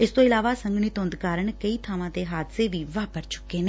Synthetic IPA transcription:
ɪst̪õːɪlaːʋaːsəŋɡɳit̪ʊ̃nd̪kaːɾəɳkəiːt̪ʰaːʋãːt̪eːɦaːd̪seːʋiːʋaːpəɾt͡ʃʊ̥kːeːneː

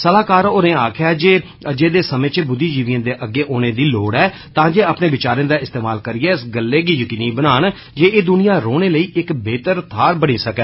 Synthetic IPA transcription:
səlaːkaːɾoːnẽːaːkʰjaːd͡ʒeː | d͡ʒeːd̪eːsəmẽːt͡ʃbʊd̪ːiːd͡ʒiːʋɪjãːd̪eːʔəɡːeːʔoːneːd̪iːloːɽɛː | t̪ãːd͡ʒeːaːpnẽːʋɪt͡ʃaːɾẽːd̪aːɪst̪eːmaːlkəɾiːɛːɪsɡəlːeːɡiːjəkiːniːbənaːn | d͡ʒeːeːd̪ʊnijãːɾoːneːləiːʔɪkbeːt̪əɾt̪ʰaːɾbəɽĩːsəkɛː

